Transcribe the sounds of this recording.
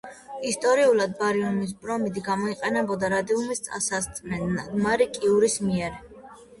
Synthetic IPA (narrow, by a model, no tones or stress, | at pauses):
ist̪ʼɔɾiulˠad̪baɾiunmis̬bʼɾɔmid̪ɡamɔiqʼɛnɛbɔd̪aɾad̪iumist̪sʼa̰sast̪sʼmɛnːaɡmaɾikʼiuɾismiɛɾ